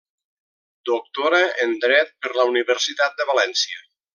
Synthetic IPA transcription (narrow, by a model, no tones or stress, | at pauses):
d̪ok̚t̪oɾəʔənd̪ɾɛt̪̚pəɾləuniβəɾsit̪at̪̚d̪əβalɛnsiə